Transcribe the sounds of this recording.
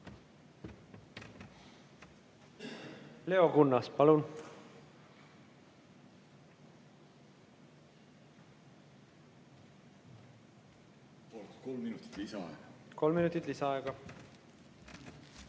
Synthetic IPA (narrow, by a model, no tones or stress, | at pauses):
le̞o̞kunːɑspɑlun | polt̪ko̞lminut̪ːˑi̥t̪lisɑɑ̰eɡɑko̞lminut̪ːˑit̪ːˑlisɑɑeɡ̥ɑ